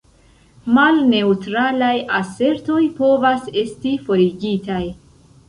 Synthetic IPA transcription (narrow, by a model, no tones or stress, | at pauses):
malne̞utɾalajase̞ɾto̞jpo̞vase̞stifo̞ɾiɡitaj